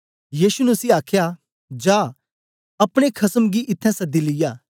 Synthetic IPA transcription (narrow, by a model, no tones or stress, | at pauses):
jiːʃunɛʊsiaːkʰja | d͡ʒaː | ɐpɽ̃ekʰɐsəmɡiʔɪt̪ʰːɛ̃sɐd̪ːilɪjaː